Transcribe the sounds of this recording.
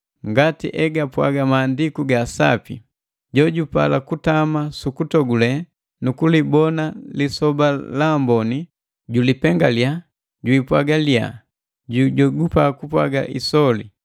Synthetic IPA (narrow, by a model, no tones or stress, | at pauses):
ŋɡatḭʔɛɡapwa̰ɡamaːndikuɡasa̰pḭ | ɟɔɟupa̰lakutamasukutɔɡulɛ | nukulibɔnalisɔbalambɔni | ɟulipɛŋɡalja | ɟwiːpwaɡalia̰ | ɟuɟɔɡupakupwa̰ɡa̰ʔisɔlḭ